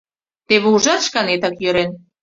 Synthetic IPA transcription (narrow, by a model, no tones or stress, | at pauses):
t̪eβeuʒɑt̪ʃkɑnet̪ɑkjøɾen